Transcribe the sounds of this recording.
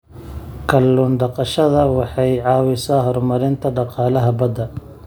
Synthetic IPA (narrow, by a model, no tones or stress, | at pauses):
kʰɐlːuːnɖɑqɑʃɐðɐwɑħɑjʕɑːwɪsaːɦɔrmɐɾɪnt̪ʰɐɖɑqɑːlɐɦɐbɐd̪ɐ